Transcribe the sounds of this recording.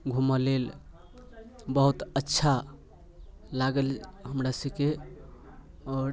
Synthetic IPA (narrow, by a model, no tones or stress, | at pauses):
ɡʱuməlel | bəɦut̪ətːʃʰa | laɡəlɦəmɾasəbke | ɔɾ